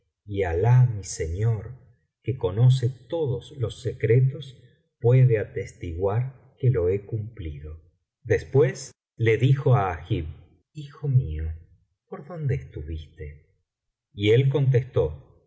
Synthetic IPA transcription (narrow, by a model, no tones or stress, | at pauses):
ialamiseɲoɾ | keko̞nos̬e̞t̪o̞ðoslo̞sːekɾet̪o̞s | pweðeat̪est̪iɣwaɾ | kelo̞e̞kumpliðo̞ | d̪espwes | le̞ðixo̞aːxiβ | ixo̞mio | po̞ɾðo̞nd̪eest̪uβist̪e | ielk̬o̞nt̪̬est̪o̞